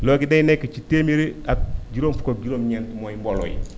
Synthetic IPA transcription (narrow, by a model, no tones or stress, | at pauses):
loːɡidejnekːat͡ʃiteːmiɾiak̚ɟiɾoːmfukod͡ʒiɾomɲentmojimbolo̰j̰